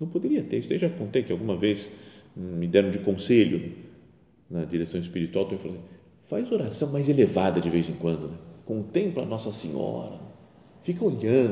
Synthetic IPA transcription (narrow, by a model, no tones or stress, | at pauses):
nɐ̃w̃pod̪eɾiɐt̪eɾisʊd̪eʒɐkõnt̪ẽjkɪawɡũmɐvez | mɪd̪ɛɾɐ̃w̃d͡ʒɪkõseʎʊnɛ | nɐd͡ʒiɾesɐ̃w̃ɪspiɾit̪uawt̪omĩfalsẽ | fajzoɾasɐ̃w̃majzelevad̪ɐd͡ʒɪvejzẽkwɐ̃nd̪ʊnɛkõt̪ẽplɐ̰nɔsɐsẽɲɔ̰ɾɐ̰ɛ | fikɐoʎɐ̃